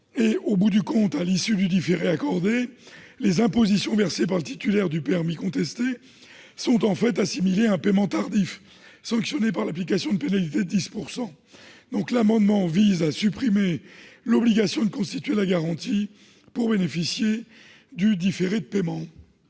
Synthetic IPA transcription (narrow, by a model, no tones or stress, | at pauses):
eobud̪ykɔ̃t̪alisyd̪yd̪ifeʁeakɔʁd̪elezɛ̃pozisjɔ̃vɛʁsepaʁlət̪it̪ylɛʁd̪ypeɛʁmikɔ̃t̪ɛst̪e | sɔ̃t̪ɑ̃fɛt̪asimileɛ̃pemɑ̃t̪aʁd̪if | sɑ̃ksjɔnep̬aʁlaplikasjɔ̃d̪əpenalit̪ed̪əd̪ispuʁsɑ̃ | d̪̥ɔ̃klamɑ̃d̪mɑ̃vizasypχimelɔbliɡasjɔ̃d̪əkɔ̃st̪it̪ɥelaɡaʁɑ̃t̪i | puʁbenefisje | d̪yd̪ifeʁed̪əpemɑ̃